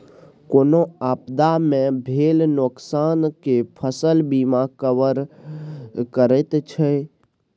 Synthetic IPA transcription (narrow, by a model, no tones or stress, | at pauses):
koːnoaːpd̪amẽbʱeːlnoksaːnkepʰəsəlbimakəwəɾ | kəɾɛt̪t͡ʃʰɛ